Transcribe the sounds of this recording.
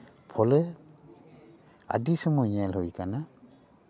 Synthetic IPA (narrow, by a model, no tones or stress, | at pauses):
pʰɔlɛ | a̰disɔmɔɲalɦujkana